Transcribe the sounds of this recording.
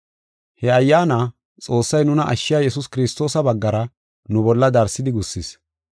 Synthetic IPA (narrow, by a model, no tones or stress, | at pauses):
hɛɐjːaːna | t͡sʼo̞ːsːɐjnʊnɐʔɐʃːɪjaːjɛs̬ʊskɪɾɪst̪o̞ːsɐbɐɡːɐɾɐ | nʊbɔlːɐd̪ɐɾsɪd̪ɪɡʊsːɪs